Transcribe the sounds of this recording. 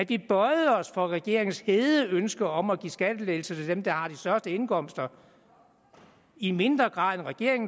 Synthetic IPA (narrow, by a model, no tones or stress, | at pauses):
ædʋib̥ɒɪð̩ˠəɒ̽sfɒ̽ʁɛɡ̥e̝ɐe̝ŋn̩sheːðˠəønsɡ̥ɐɒ̽mæɡ̥ḭsɡ̥æd̥əle̝ːl̩sət͡sʰe̝ld̥emd̥ɑ̈hɑ̈d̥isd̥ɶɐsd̥əe̝nkʰɒ̽m̰sd̥ɐ | ime̝nd̥ʁɐɡ̥ʁɑ̈ːðˠenʁɛɡ̥e̝ɐ̰e̝ŋ